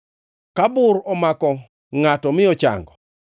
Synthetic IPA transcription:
kabʊɾɔmakɔ | ŋatɔmɪɔt͡ʃa̰ŋɡɔ

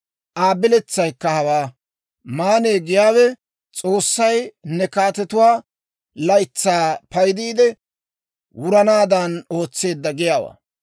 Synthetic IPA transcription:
ʔaːbɪlɛt͡sːɐjkːɐhɐwaː | maːneːɡɪjaːwɛ | t͡sʼo̞ːsːɐjnɛkaːt̪ɛt̪ʊwaː | lɐjt͡sːaːpɐjd̪iːd̪ɛ | wʊɾɐnaːd̪ɐno̞ːt͡sːe̞ːd̪ːɐɡɪjaːwa̰ː

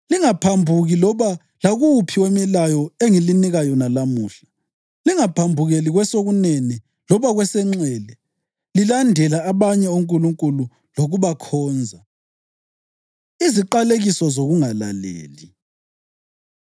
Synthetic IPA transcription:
liŋapʰambʱuɣilɔβa | laɣupʰiwemilajɔeŋiliniɣajɔnalamuːɬḁ | liŋapʰambʱuɣeliɣwɛsoɣuneni | lɔβaɣwɛsɛŋ͡ǀɛːlɛ | lilandʱɛlaːβaɲɛoŋkʼuluŋkʼulu | loɣuβakʰɔːnd͡zʱa | iziǃaleɣisɔzoɣuŋala̰lḛːli

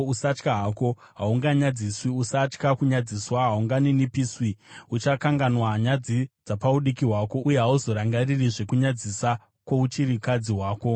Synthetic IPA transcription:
usat͡ʃkaɦaːko̞ | ɦauŋɡaɲad͡ziswiusat͡ʃkakuɲad͡ziswaɦauŋɡaninipiswiut͡ʃakaŋɡanwaɲad͡zid͡zapauɗikiɦwaːko̞ʔujeɦauzo̞ɾaŋɡaririʐe̞kuɲad͡zisa | kwaut͡ʃiɾikad͡ziɦwaːko̞

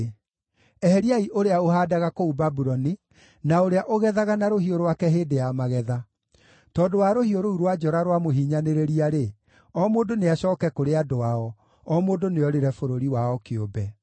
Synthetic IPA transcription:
ɛhɛɾiaiʔoɾeaohaːdaɣakoubabuɾɔni | naoɾeaʔoɣɛðaɣanaɾoɦioɾowakɛɦeːdejamaɣɛða | tɔdowaɾohioɾouɾwad͡ʒɔɾaɾwamoɦiːɲaneɾeɾiaɾe | ɔmoːndoneaɕɔːkɛkoɾeadoaɔ | ɔmoːdoneɔɾeɾɛfoɾoɾiwaɔkeobɛ

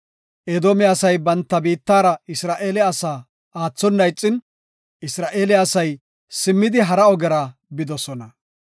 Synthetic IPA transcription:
ʔeːd̪oːmɛɐsɐjbɐnt̪ːɐbiːt̪ːaːɾɐɪsɾaːʔe̞ːlɛɐsaː | aːt͡sːɔnːɐjt͡sʼːɪn | ɪsɾaːʔe̞ːlɪɐsɐj | sɪmːɪd̪ɪɦɐɾɐɔɡɛɾaːbɪd̪ɔsɔnɐ

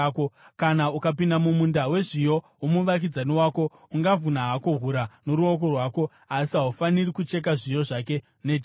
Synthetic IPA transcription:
kokanaukapindamumundawe̞ʐijo̞ | umuʋak̬id͡zaniwaːko̞ | uŋɡavunaɦako̞ɦuɾano̞ɾuo̞k̬o̞rwaːko̞ | asiɦaufanirikut͡ʃe̞k̬aʐijo̞ʐake̞ | ned

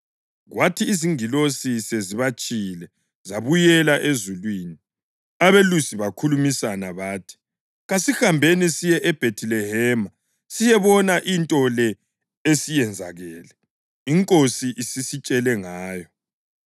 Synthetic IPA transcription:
ɣwatʰiːziŋilosiseziβat͡ʃʼilɛ | zaβujɛlaʔezulwiːni | aβelusiβakʰulumisanaβaːtʰi̥ | ɣasixambʱenisijɛʔɛb̥ʱetʰilɛhɛːma | sijɛβɔnaʔintʼɔlɛ | esijɛnd͡zʱa̰ɣɛːlɛ | iŋkʼosiʔisisit͡ʃʼɛlɛŋaːjɔ

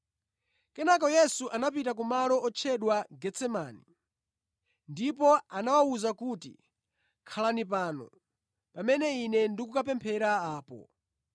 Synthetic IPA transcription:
kɛnakɔjɛsuʔanapitak̬umalɔʔɔt͡ʃʰɛɗwaɡɛt͡sɛmani | ndipɔanawauzakutḭ | kʰalanipaːnɔ̰ | pamɛnɛinɛndikukapɛmpʰɛɾaaːpɔ̰

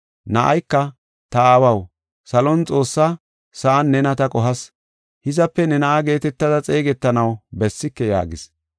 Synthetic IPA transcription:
nɐʔɐjkːɐ | t̪ɐaːwɐw | sɐlɔnt͡sʼo̞ːsːɐ | sɐʔːnːɛnɐt̪ɐkʼɔɦɐs | hɪzɐpːɛnɛnɐʔɐɡe̞ːt̪ɛt̪ːɐd̪ɐt͡sʼe̞ːɡɛt̪ːɐnɐwbɛsːɪkːɛja̰ːɡɪs

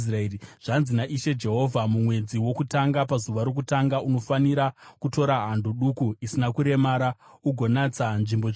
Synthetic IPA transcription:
sraeriʐ̥anzinaʔiʃe̞d͡ʒe̞ɦo̞vʱamumwe̞d͡ziwo̞kutaŋɡapazuʋaɾok̬utaŋɡaʔuno̞faniɾakuto̞ɾaɦandʱoɗukuisinakuɾe̞maːɾa | uɡʱo̞nat͡sanʐimbo

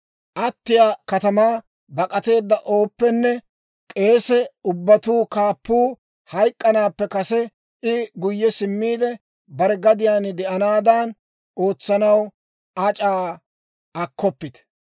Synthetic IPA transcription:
ʔɐt̪ːɪjakɐt̪ɐmaː | bɐkʼɐt̪e̞ːd̪ːɐʔo̞ːpːɛnːɛ | kʼe̞ːsɛʊbːɐt̪uːkaːpːuː | hɐjkʼːɐnaːpːɛkɐsɛ | ʔɪɡʊjːɛsɪmːiːd̪ɛ | bɐɾɛɡɐd̪ɪjaːnɪd̪ɛʔɐnaːd̪aːn | o̞ːt͡sːɐnɐw | ɐt͡ʃʼaː | ɐkʰːɔpːɪt̪

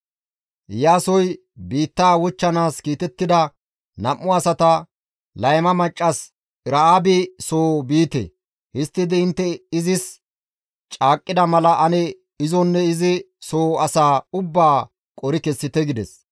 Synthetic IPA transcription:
jaːsɔj | biːt̪ːaːwɔt͡ʃːɐnaːskiːt̪ɛt̪ːɪd̪ɐ | nɐmːʊɐsɐt̪ɐ | lɐjmɐmɐt͡ʃʼːɐs | ɪɾɐaːbɪsoːbiːt̪ɛ̰ | hɪst̪ːɪd̪ɪɪnt̪ːɛɪzɪs | t͡ʃʼaːkʼːɪd̪ɐmɐlɐʔɐnɛ | ɪzɔnːɛɪzɪ | soːɐsaːʊbːaː | kʼɔɾɪkɛsːɪt̪ɛɡɪd̪ɛs

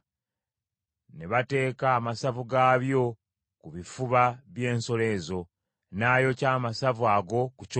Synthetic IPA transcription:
ne̞βate̞ːkaːmasavuɡaβjo̞ | kuβifuβaβje̞ːnso̞le̞zo̞ | naːjo̞caːmasavuaɡo̞kuc

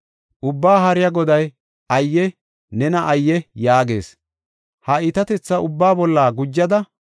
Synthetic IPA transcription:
ʔʊbːaːɦɐɾɪjɐɡɔd̪ɐj | ɐjːɛ | nɛnɐʔɐjːɛjaːɡe̞̰ːs | hɐɪt̪ɐt̪ɛt͡sːɐʔʊbːaːbɔlːaːɡʊd͡ʒːɐd̪ɐ

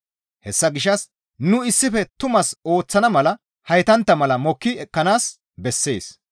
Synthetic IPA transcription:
hɛsːɐɡɪʃɐs | nʊɪsːɪfɛt̪ʊmɐso̞ːt͡sːɐnɐmɐlɐ | hɐjt̪ɐnt̪ːɐmɐlɐmɔkːɪɛkːɐnaːs | bɛsːe̞̰ːs

